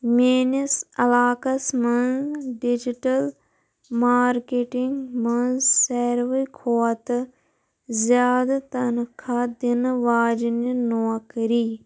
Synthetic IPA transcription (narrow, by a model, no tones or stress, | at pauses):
meːnisɐlaːkɐsmɐnɖid͡ʒiʈɐl | maːɾkeʈiŋɡmɐnseːɾʋəkʰoːɐt̪ɨ | zjaːd̪t̪ɐnkʰaːd̪inʋaːd͡ʒninoːkɾiː